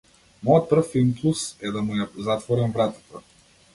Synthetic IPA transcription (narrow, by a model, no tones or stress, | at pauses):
mɔjɔt̪̚pr̩fːilˠmplˠusɛd̪amujazat̪vɔɾɛmvɾat̪ḁt̪a